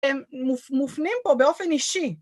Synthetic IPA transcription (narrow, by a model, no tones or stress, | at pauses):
emːufmufnimpobeofeniʃi